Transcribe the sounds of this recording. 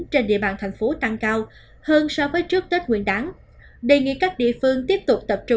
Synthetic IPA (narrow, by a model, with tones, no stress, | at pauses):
nt͡ɕe˧nɗḭ˧˨əɓaː˧˩nt̪ʰa˨˩jŋ̟fo˨˦t̪a˧ŋkaː˧w | həː˧nsɔ˧vəː˨˦jt͡ɕɨ˦˥ək̚t̪ə˦˥t̚ŋw̰i˧˨ənɗaː˨˦ŋ | ɗe˧˩ŋḭ˧˨kaː˦˥k̚ɗḭ˧˨əfɨ˧əŋt̪i˦˥əp̚t̪ʊ˨˩k͡p̚t̪ə˨˩p̚t͡ɕʊ˧˩